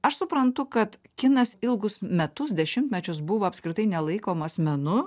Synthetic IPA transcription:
ɐʃsʊpɾɐnt̪ʊkɐt̪kʲɪnɐsɪlˠɡʊsmʲɛt̪ʊs̬d̪ʲɛʃʲɪmt̪ʲmʲɛt͡ʃʲʊs̬bʊʋoːɐpʲskɾʲɪt̪ɐɪnʲɛlˠɐɪkoːmɐsʲmʲɛnʊ

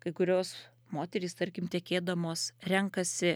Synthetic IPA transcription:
kɐɪkʊɾʲoːs | moːt̪ʲɛɾʲiːst̪ɐɾʲkʲɪmt̪ʲɛkʲeːd̪ɐmoːsɾʲɛŋkɐsʲɪ

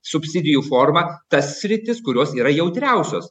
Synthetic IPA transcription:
sʊpʲsʲɪd̪ʲɪjuːfoːɾmɐt̪ɐsːʲɾʲɪt̪ʲɪskʊɾʲoːsiːɾɐjɛʊt̪ʲɾʲæˑʊsʲo̰ːs

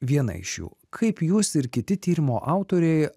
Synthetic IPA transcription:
ʋʲiɛnɐ̰ɪ̰ʃʲjṵːkʰɐɪpjuːsɪɾkʲɪt̪ʲɪt̪ʲiːɾʲɪmo̰ːʔɑˑʊt̪oːɾʲɛɪ

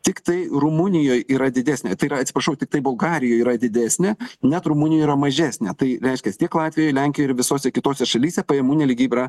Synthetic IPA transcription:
t̪ʲɪkt̪ɐɪɾʊmʊnʲɪjoːjiːɾɐd̪ʲɪd̪ʲæːsʲnʲeːt̪ɐɪiɾɐɐt̪sʲɪpɾɐʃɐʊt̪ʲɪk̚t̪ɐɪbʊlˠɡɑːɾʲɪjoːjiːɾɐd̪ʲɪd̪ʲæːsʲnʲɛnʲɛt̪ɾʊmʊnʲɪjoːiːɾɐmɐʒʲæːsʲnʲɛt̪ɐɪɾʲɛɪʃʲkʲɛst̪ʲiɛklˠɑːt̪ʲʋʲɪjojlʲɛŋʲkʲɪjoɪɾʋʲɪsoːsʲɛkʲɪt̪oːsʲɛʃɐlʲiːsʲɛpɐjɛmuːnʲɛːlʲɪɡʲiːbʲɛɾɐ

